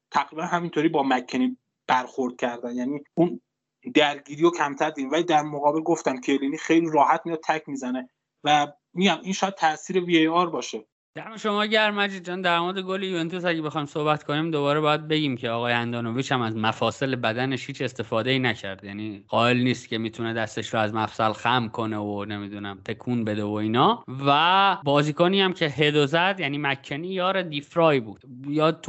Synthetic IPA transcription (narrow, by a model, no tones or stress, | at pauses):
t̪ʰæɣɾiːbænhæmint̪oɾiːbɒːmækʰːeni | b̥æɾxoɾd̪̚cʲʰæɾd̪ænjæniːun | d̪æɾɡiːɾiːjocʰæmt̪ʰæɾd̪id̪imvæliːd̪æɾmoɣɒːbelɡoft̪æmkʰeliːniːxejliːɾɒːhæt̪mijɑd̪̚t̪ʰækʰmiːzæne | væ | miːɟæminʃɔːjæd̪̚t̪ʰæʔsiːɾe̞viejɒːɾbɒːʃe | d̪̥æmeʃo̞mɒːɟæɾmæd͡ʒit͡ʃʰond̪æɾmoɾed̪eɡolijuent̪ʰusæɟebexɒjmso̞hbæt̪kʰo̞niːmd̪oβɒːɾebɒːjæd̪̚be̞ɟiːmcʰeɒːɣɒːjeænd̪ɒːnoviːʃæmæzmæfɒːse̞lebæd̪æneʃhiːt͡ʃe̞st̪e̞fɒːd̪eiːnæcʰæɾd̪jæːniːʁɒːe̞lniːst̪cʰʲe̞miːt̪ʰuned̪æst̪eʃɾoæzmæfsælxæmkʰo̞neone̞mid̪uːnæmt̪ʰe̞kʰuːnbe̞d̪evoiːnɒːvæbɒːziːkoniæmcʰeɦed̪ozæd̪jæniːmæcʰːenijɒːɾed̪ifɾɒːjbuːd̪̥jɒːt̪ʰ